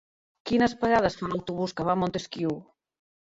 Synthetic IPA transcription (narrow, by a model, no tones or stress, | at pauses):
kinəspəɣað̞əsfalawt̪uβuskəβamont̪eskiw